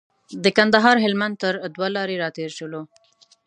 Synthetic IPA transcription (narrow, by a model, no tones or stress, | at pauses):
d̪əkand̪aɦɑɾɦɪlmand̪̚t̪əɾd̪walɑɾeɾɑt̪eɾʃəlo